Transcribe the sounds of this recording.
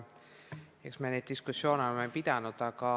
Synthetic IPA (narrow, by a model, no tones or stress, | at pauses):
eksmened̪̚d̪̥iskusːjo̞ːnolmːepid̪̥ɑnud̪ɑkɑ